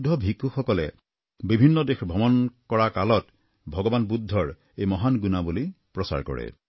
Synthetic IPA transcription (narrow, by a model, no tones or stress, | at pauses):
dʱɔbʱikuxɔkɔlɛ̰ | bibʱinːɔdexbʱɔmɔnkɔɹakalɔt | bʱɔɡɔbanbud̪ʱːɔɹ | ejmɔɦanɡunabulipɹɔsa̰ɹkɔ̰ɹɛ̰